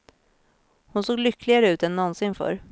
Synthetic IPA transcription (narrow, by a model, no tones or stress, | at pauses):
hʊnsoːɡlʏkʰːlɪɡaɾəʉ̟ːt̪ɛnːɔnsɪnfœ̰ːɾ